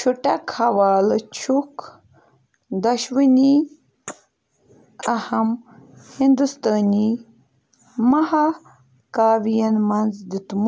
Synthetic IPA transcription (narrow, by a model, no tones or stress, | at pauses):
t͡ʃʰuʈɐkhɐwaːlt͡ʃʰuk | d̪ɐʃwini | ɐhɐmhind̪ust̪aːni | maɦa | kaːwijɐnmɐnzd̪it̪m